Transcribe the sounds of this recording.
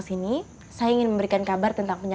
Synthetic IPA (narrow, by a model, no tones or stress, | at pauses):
sini | sajaiŋɪnməmbəɾikankabart̪ənt̪aŋpəɲa